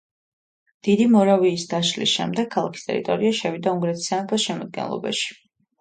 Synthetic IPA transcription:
d̪̥id̪imɔɾaviːsd̪aʃlḭsʃɛ̰md̪ɛɡʰːalˠakʰi̥st̪ʼɛ̰ɾḭt̪ʼɔɾiaʃɛvid̪auŋɡɾɛt̪ʰisanɛp̪ʰɛsʃɛmɔd̪̚ɡɛ̰nlˠɔ̰ba̰ʃi̥

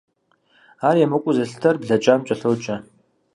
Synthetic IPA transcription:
aːrjɛmɨkʷʼʊzɐɬtʰɐrbɮɐt͡ʃʼaːmt͡ʃʼɐɬowt͡ʃʼɐ

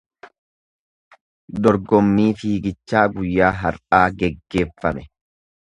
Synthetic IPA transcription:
d̪ɔɾɡɔmːiːfiːɡɪt͡ʃːaːɡʊjːaːɦɐɾʔaːɡɛɡːe̞ːfːɐmɛ

